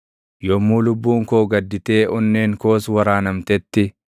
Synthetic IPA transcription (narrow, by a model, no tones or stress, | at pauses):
jɔmːuːlʊbːuːŋkoːɡɐd̪ːɪt̪e̞ːʔʊnːeːŋko̞ːswɐɾaːnɐmt̪ɛt̪ːɪ